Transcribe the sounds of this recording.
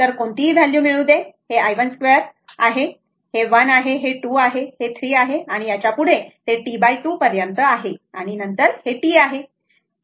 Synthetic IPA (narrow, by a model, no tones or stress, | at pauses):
t̪əɾkoɳt̪iːd͡zʱaljũːmiɭũːd̪eheajʋənskʋeɾa̰ɦe | heʋənaɦeɦeʈuːaɦehet̪ʰɾiːaɦeaɽ̃ijat͡ɕjapuɽ̤et̪eʈibajʈuːpəɾjənt̪əaɦeaɽ̃inənt̪əɾheʈiːaɦe